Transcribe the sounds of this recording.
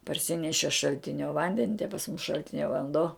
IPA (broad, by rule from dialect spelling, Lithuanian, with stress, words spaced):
pɐrʲˈsʲɪnʲɛʃʲɪ ʃɐlʲˈtʲɪnʲoː ˈʋɐnʲdʲɛnʲɪ tʲɛ pɐs mʊs ʃɐlʲˈtʲɪnʲɛ ʋɐnˈdoː